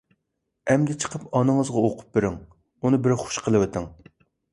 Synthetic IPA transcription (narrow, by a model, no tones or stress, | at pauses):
ɛmd̪ɪt͡ʃʰə̥qʰəpɑnɨŋəzʁɑoqʰʊ̥p̚beɾɪŋ | unɨbɪɾχo̥ʃqʰəlˠɨwɪt̪ʰɪŋ